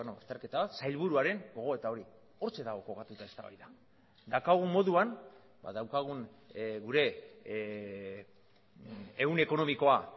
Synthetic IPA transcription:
noast̪eɾke̞t̪aβat̪sajlβuɾuaɾe̞ŋɡo̞ɣ̞o̞e̞t̪ao̞ɾi | o̞ɾt͡se̞ðaɣ̞o̞ko̞kat̪ut̪ae̞st̪a̰βa̰jða | d̪akaɣumo̞ðuan | ba̰ðawkaɣ̞un | ɣuɾe̞ | eune̞ko̞no̞miko̞a

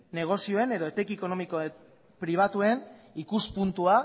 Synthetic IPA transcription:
ne̞ɣ̞o̞sio̞e̞ne̞ðo̞et̪ekieko̞no̞miko | pɾiβ̞at̪ue̞nikuspunt̪ua

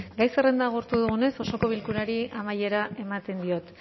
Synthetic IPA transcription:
ɡajse̞re̞nd̪aɣ̞uɾt̪uðuɣune̞so̞so̞ko̞β̞ilkuɾaɾiamaje̞ɾae̞mat̪e̞nd̪io̞t̪

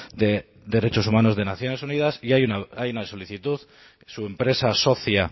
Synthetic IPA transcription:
d̪e̞ | d̪e̞ɾe̞t͡ʃo̞sumano̞zðe̞naθjo̞ne̞suniðasiajunaajunaso̞liθit̪uð | sue̞mpɾe̞saso̞θja

